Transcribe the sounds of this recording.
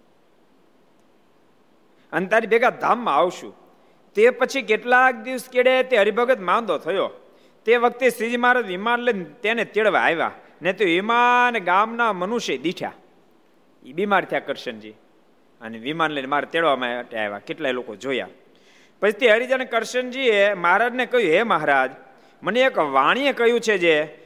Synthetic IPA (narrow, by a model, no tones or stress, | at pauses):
ənet̪aɾibʱeɡad̪ʱamːãaʋʃṵ̃ | t̪epət͡ʃʰik̬eʈlak̚d̪iʋəskeɽet̪eɦəɾibʱəɡət̪mãnd̪ot̪ʰəjo | t̪eʋək̚t̪esid͡ʒimaɾəʋimanlent̪enet̪eɭʋa̰aɦeʋa̰ | net̪eʋimanɡamnamənuʃed̪iʈʰja̰ | ibimaɾt̪ʰijakəɾʃənd͡ʒḭ | əneʋimanlenmaɾat̪eɭʋamãʈea̰ɦeʋa̰keʈlajlokod͡ʒoja̰ | pət͡ʃʰit̪eəɾid͡ʒanekəɾʃənd͡ʒieməɦaɾad͡ʒnekəɦjũeməɦɾad͡ʒ | məneːkʋaɽ̃iekəɦjũt͡ʃʰed͡ʒe